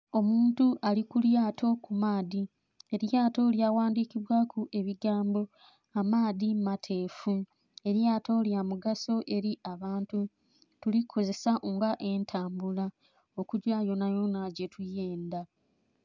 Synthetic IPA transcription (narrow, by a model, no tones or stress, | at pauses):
o̞muːntuʔalikuljaːtʰo̞kumaːði | e̞ɾjaːto̞ljawaːndikiβwaːkʰuʔe̞βiɡaːmbo̞ | amaːðimatʰe̞ːfu | e̞ɾjaːtʰo̞ljamuɡaso̞ʔe̞ɾiʔaβaːntu | tulikʰo̞ze̞saʔoŋɡaʔe̞ntʰaːmbula | o̞kuɟwaːjo̞najo̞naɟe̞tʰuje̞ːnda